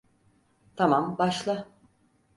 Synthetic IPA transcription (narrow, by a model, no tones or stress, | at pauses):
t̪ʰamambaʃlˠa